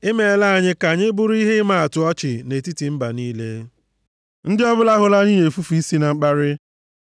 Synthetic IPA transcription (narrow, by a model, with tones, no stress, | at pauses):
ɪ˦me˨la˦˨ɲɪ˦ka˨ɲɪ˦bʊ˦ɾi˦ɦɪ˦ma˦a˨tʊ˨ɔ˦t͡ʃɪ˨ne˨ti˦ti˨m̩˦ba˨niː˦le˦ | n̩˦dɪ˦ɔ˦bʊ˦la˦ɦʊ˨la˦ni˦ɲe˨fu˦fu˨i˦si˦na˨ŋ͡m̩˦k͡pa˦ɾɪ˦